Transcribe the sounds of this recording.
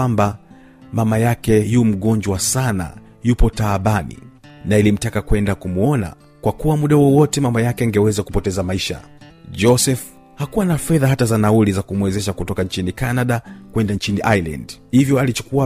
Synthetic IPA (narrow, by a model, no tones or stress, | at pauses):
amba | mamajakɛjuːm̩ɠɔɲd͡ʒwasana̰ | jupɔtaːɓanḭnailim̩takakwɛndakumuɔna̰ | kwakuwamuɗawɔwɔtɛmamajakɛŋɡɛwɛzakupɔtɛzamaiʃa̰ | d͡ʒɔsɛf | hakuwanafɛðaɦatazanaulizakumwɛzɛʃakutɔkaɲt͡ʃinikanaɗakwɛndant͡ʃiniʔajla̰ndhivjɔalit͡ʃu̥kua